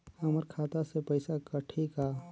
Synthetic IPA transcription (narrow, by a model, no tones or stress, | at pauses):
həməɾkʰaːt̪asepɐɪsakəʈʰika